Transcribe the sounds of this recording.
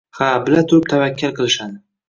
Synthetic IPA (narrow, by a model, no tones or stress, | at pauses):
habɪlat̪ʰʊɾɪp̚t̪ʰavakʲːalˠqʰɨlˠɪʃad̪ɪ